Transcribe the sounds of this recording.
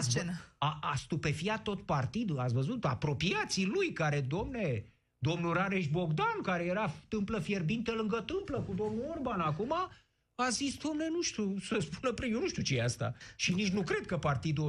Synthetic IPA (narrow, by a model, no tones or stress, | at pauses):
st͡ʃnaast̪upe̞fiat̪ːo̞t̪̚part̪id̪uat̪sʲvəzut̪a̰pɾo̞piat̪silujkaɾe̞d̪omne | d̪o̞mnuɾaɾe̞ʃbo̞ɡd̪ankaɾe̞jeɾat̪ɨmpləfje̞rbint̪əlɨŋɡət̪ɨmpləkud̪o̞mnuorbanakuma | azisd̪amne̞nuʃt̪usəspunəpɾjeonuʃt̪iut͡ʃejeast̪a̰ʃinit͡ʃnukɾe̞d̪̚kəpart̪id̪u